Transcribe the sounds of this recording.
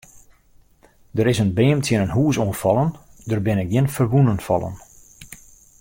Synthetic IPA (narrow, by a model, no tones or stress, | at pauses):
dəɾɪsənbɪːmtʰjənənɦuːsuənfɑlˠəndərbɪnɪk̚ɡjɪnfərʋunənfɑ̰lˠə̰n